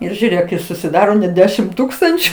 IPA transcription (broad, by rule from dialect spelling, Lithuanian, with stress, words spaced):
ˈɪr ʒʲuːˈrʲeːk ɪ sʊsʲɪˈdɑːroː nʲɛt ˈdʲæːʃʲɪm ˈtuːkstɐnʲt͡ʃʲʊ